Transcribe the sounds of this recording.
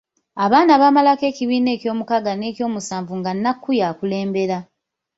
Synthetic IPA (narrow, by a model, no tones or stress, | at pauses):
aβaːnaβaːmalake̞ːciβiːne̞ːcjo̞ːmukaɡane̞ːcjo̞ːmusaːɱvuŋɡanːakːujakule̞ːmbe̞ɾa